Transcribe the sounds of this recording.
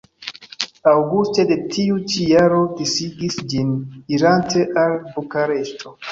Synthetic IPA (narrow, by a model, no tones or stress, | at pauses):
awɡuste̞de̞tiut͡ʃijaɾo̞disiɡisd͡ʒiniɾantʰe̞ʔalbukaɾe̞stʰo̞